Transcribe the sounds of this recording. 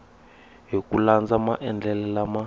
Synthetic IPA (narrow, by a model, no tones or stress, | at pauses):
ɦokʼuland͡zamaʔɛnd͡ɮʱɛlɛlama